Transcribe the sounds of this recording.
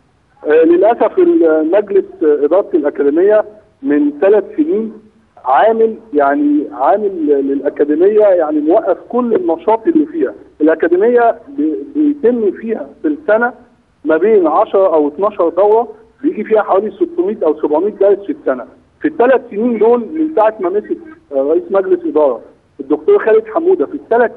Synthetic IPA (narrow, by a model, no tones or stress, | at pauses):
ʔlelʔæsæfelmæɡlesʔed̪ɑːɾˤɑt̪elʔækæd̪emejːæ | ment̪ælæt̪seniːn | ʕaːmeljaʕniʕaːmellelʔækæd̪ɪmejːæjaʕnimowæʔːæfkolːenɑʃɑːt̪ˤʔelːifiːhæʔelʔækæd̪emejːæbebejt̪emːifiːhæfilsænæ | mæbeːnʕɑʃɑɾˤɑʔæwet̪nɑʃɑɾˤd̪ɑwɾˤɑ | bejeɡifiːhæħawæːliset̪ːomiːt̪ʔæwsæbʕomiːt̪̚ɡælt̪fesænæ | fit̪ːælæt̪seniːnloːlment̪aːʕet̪mæmeset̪ɾˤɑʔiːsmæɡlesʔed̪ɑːɾˤɑ | ʔed̪ːok̚t̪oːɾˤxæːlet̪ħamːuːd̪æfit̪ːælæt̪